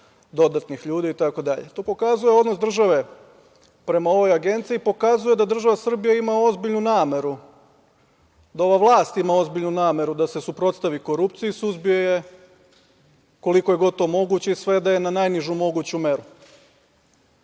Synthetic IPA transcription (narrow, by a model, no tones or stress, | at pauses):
d̪o̞d̪at̪nixʎuːd̪iit̪ako̞d̪a̰ʎet̪oːpo̞kazuje̞o̞d̪nosd̪r̩ʒaʋe̞ | pɾe̞mao̞ʋo̞jaɡe̞nt̪sijiːpo̞kazuje̞d̪ad̪r̩ʒaʋasr̩bijaimao̞zbiʎnunaːme̞ɾu | d̪ao̞ʋaʋlˠaːst̪imao̞zbiʎnunaːme̞ɾud̪ase̞supɾo̞t̪st̪aʋiko̞ɾup̚t̪sijuisuzbijo̞je̞ | ko̞likoje̞ɡo̞d̪̚t̪o̞ːmo̞ɡut͡ɕeisʋe̞d̪ajenanajniʒumo̞ɡut͡ɕume̞ɾu